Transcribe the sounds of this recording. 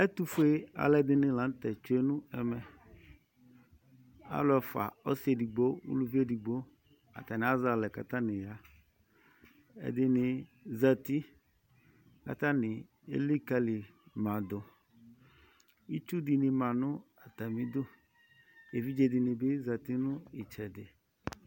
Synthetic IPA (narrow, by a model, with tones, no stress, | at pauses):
ɛ˦t̪u˦fe˦a̰˨lɛ˨d̪ɪ˦nɪ̃˨lã˨n˦t̪ɛ˨t͡ʃʊ˦e˦nũ˦ɛ˨mɛ˨ | a̰˦lʊ˦ɛ˨fa̰˨ɔ˦se˨di˨ɡ͡bo˦wṵ˦lu˦vi˦e˦di˨ɡ͡bo˦ | a̰˨t̪a˨nɪ̃˨a˦za˨lɛ˨ka̰˨t̪ã˦nɪ̃˨ja˨ | ɛ̰˨d̪ɪ˦nɪ̃˨za˨t̪i˦ | ka̰˨t̪ã˦nɪ˨ | ḛ˦li˦ka˦li˨mã˨d̪ʊ˨ | i˦t͡ʃu˦di˨nɪ˨mã˨nʊ̃˦ | a˨t̪a˨mĩ˨d̪ʊ˦ | e˨vi˦d͡ʒe˨d̪ɪ˨nɪ̃˨bɪ˦za˨t̪i˦nʊ̃˦i˨t͡ʃɛ˨dɪ˨